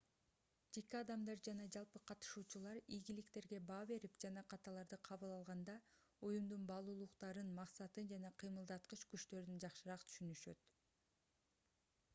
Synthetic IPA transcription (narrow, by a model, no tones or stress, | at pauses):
d͡ʒe̞kiɑd̪ɑmd̪ɑɾd͡ʒɑnɑd͡ʒɑlˠpɯqʰɑt̪ɯ̥ʃuːt͡ʃulˠɑɾijɡilikt̪e̞ɾɡe̞bɑːβe̞ɾipd͡ʒɑnɑqʰɑt̪ɑlˠɑɾd̪ɯqʰɑβɯlˠɑlˠʁɑnd̪ɑ | ujund̪unbɑlˠuːlˠuqt̪ɑɾɯnmɑqsɑt̪ɯnd͡ʒɑnɑqʰɯjmɯlˠd̪ɑt̪̚qɯʃkyt͡ʃt̪ø̞ɾynd͡ʒɑqʃɯɾɑqt̪ʰy̥ʃynyʃø̞̰t̪